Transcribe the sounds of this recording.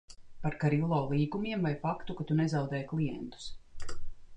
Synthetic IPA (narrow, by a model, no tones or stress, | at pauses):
paɾkaɾilˠɔːlˠiːɡumiɛmvajfakt̪ukat̪unɛzɑwd̪ɛːjklˠijɛ̰nt̪u̥s